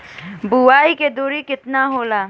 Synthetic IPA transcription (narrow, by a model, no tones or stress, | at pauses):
buaːiked̪oːɾikɪt̪naɦoːlaː